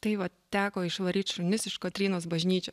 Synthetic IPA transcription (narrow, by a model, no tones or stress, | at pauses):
t̪ɐɪʋɐ | t̪ʲæːkoːɪʃʋɐɾʲiːt̪ʲʃʊnʲɪsɪʃkot̪ʲɾʲiːnoːs̬bɐʒʲnʲiːt͡ʃʲoː